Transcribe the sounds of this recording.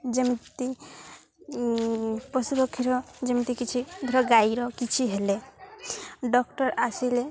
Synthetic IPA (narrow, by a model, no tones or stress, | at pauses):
d͡ʒemit̪i | pɔsupɔkʰiɾɔd͡ʒemit̪ikit͡ʃʰid̪ʱɾɔɡajɾɔkit͡ʃʰiɦele | ɖɔkʈɔɾasile